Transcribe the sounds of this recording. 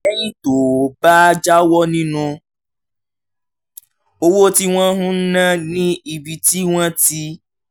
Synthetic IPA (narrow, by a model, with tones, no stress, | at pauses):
ɛ˦j̃ĩ˦to˨ba˦d͡ʒa˦wɔ˦nĩ˦nũ˧ | o˦wo˦ti˦w̃ɔ̃˦ɦũ˦n̩˦nã˦nĩ˦i˧bi˧ti˦w̃ɔ̃˦ti˦